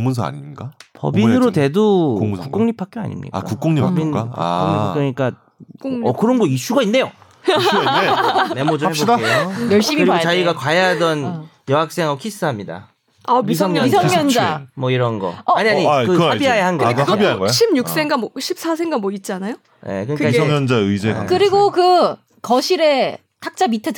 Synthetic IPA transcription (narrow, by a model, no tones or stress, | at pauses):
ŋmunsʰʌa̰ɲik͈apʌ̰binɯɾote̞dokukk͈oŋɲipʰak͈joa̰ɲḭmɲḭka̰a̰kukk͈oŋɲipabinkuoŋɲik͈joɲik͈a | ʌkɯɾʌnɡʌiɕ͈uɡainːe̞jo | eme̞mod͡ʑɯhebodkeokʌɕ͈iɯɾiot͡ɕaiɡakwajadʌn | jʌɦak̚s͈e̞ŋɦaokʰis͈ɯɦamɲida̰ | amisʰʌŋɲʌisʰʌŋɲʌnd͡ʑamwʌiɾʌnɡʌ̰ʌaɲiaɲikɯhabiɦajahanɡʌiaɡɕʰibɲuk̚s͈e̞ŋɡamwʌɕʰip̚s͈as̬ʰe̞ŋɡanmwʌit̚t͡ɕ͈anajo | nḛkɯɲikkaŋʌnd͡ʑaɯd͡ʑeakɯɾiɡokɯ | kʌɕʰiɾe̞ | tʰak̚t͡ɕ͈amitʰe